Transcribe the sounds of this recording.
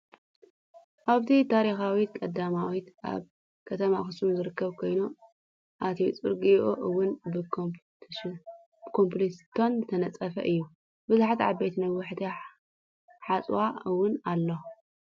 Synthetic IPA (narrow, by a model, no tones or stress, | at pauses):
ʔaβt̪ʰit̪ʰaɾixawit̪̚kʼɐd̪amawit̪ʔa̰β | kʰɐt̪ʰɐmaxɨsuzɨɾɨkːɐβkʰo̞jnu | ʔat̪ʰijt͡sʼṵɾɡɨʔoʔɨwːʊnbɨ | kʰomplist̪ʰonzɨt̪ʰɐnɐt͡sʼɐfɐ̰ʔɨjːu | bɨzuħat̪ʕa̰bejt̪nɐwːʊħt̪ʰi | ħat͡sʼwaɨwʊnalːo